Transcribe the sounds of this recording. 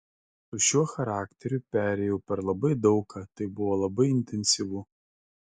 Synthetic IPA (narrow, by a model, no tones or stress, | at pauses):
ʊʃʲuɔxɐɾɑːkt̪ʲɛɾʲupʲæːɾʲɛjɛʊpʲɛɾlˠɐbɐɪd̪ɒʊkɑt̪ɐɪbʊʋoːlˠɐbɐɪɪnʲt̪ʲɛnʲsʲiʋuː